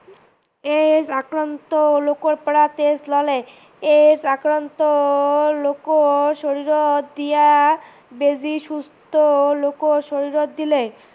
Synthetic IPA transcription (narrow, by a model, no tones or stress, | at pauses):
eʃakɾant̪olokoɾpɔɽat̪eslɔle | eakɾant̪olokoʃoɾiɾod̪ija | bed͡ʑiʃust̪olokoʃoɾiɾot̪d̪ile